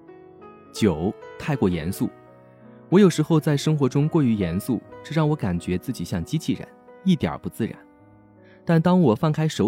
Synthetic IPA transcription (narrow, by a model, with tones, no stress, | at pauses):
t͡ɕjo˨˩˦ʊt̪ʰa˥˧ɪkwɔ˥˩jɛ̰˧˥nsu˥˩ | wɔ˧˥jo˨˩ʊʂɻ̩˧˥xo˥˧ʊt͡sa˥˩ɪʂɤ˥ŋxwɔ˧˥ʈ͡ʂʊ˥ŋkwɔ˥˩y˧˥jɛ˧˥nsu˥˩ʈ͡ʂɤ˥˧ɻɑ˥˩ŋwɔ˧˥ka˨˩nt͡ɕɥɛ˧˥t͡sɹ̩˥˩t͡ɕi˨˩ɕjɑ˥˩ŋt͡ɕi˥t͡ɕʰi˥˩ɻə̰˧˥ni˥˩t̪jə̰˞˨˩pu˧˥t͡sɹ̩˥˩ɻa̰˧˥˦n | t̪a˥˩nt̪ɑ˥ŋwɔ˨˩fɑ˥˩ŋkʰa˥ɪʂo˧˥